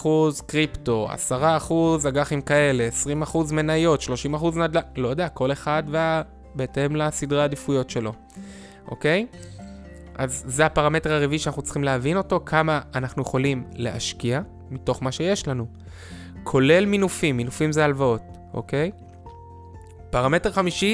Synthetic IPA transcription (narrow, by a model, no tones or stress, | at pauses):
uzkʁipto̞a̰saʁaːχuzaɡaχimkae̞le̞ːsʁimaχuzme̞najo̞tʃlo̞ʃimaχuznadlalo̞jodeako̞le̞χadvea | beetemlasidʁaadifujo̞tʃe̞lo̞ | ʔo̞̰ke̞j | ʔa̰zːeapaʁame̞teʁaʁiviʃanaχnut͡sχimleavino̞to̞kʰamaːnaχnuje̞χo̞limle̞̰ʔaʃkia | mito̞χmaʃe̞je̞ʃlanu | kʰo̞le̞lminufimːinufimzealvao̞t | ʔo̞̰ke̞j | paʁame̞teχamiʃi